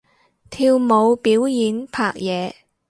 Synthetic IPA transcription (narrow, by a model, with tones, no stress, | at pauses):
t̪ʰiː˧wmo˨˧wpiː˨˥wjiː˨˧npʰaː˨˩k̚jɛː˨˧